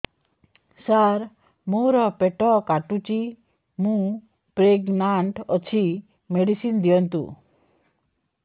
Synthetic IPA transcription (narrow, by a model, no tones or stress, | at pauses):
saɾ | moɾɔpeʈɔkaʈut͡ʃi | mũ | pɾeɡnaɳʈɔt͡ʃʰi | meɖisind̪ijɔnt̪ṵ